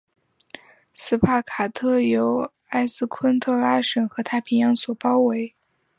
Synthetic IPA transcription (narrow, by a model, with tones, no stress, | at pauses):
sɹ̩˥pʰa˥˩kʰa˨˩t̪ʰɤ˥˩jo˧˥ʊ | a˥ɪsɹ̩˥˧kʰwə˥nt̪ʰɤ˥˩la˥ʂə˨˩nxɤ˧˥t̪ʰa˥˩pʰi˧˥ŋjɑ˧˥ŋswɔ˨˩pɑ˥ʊwe˧˥ɪ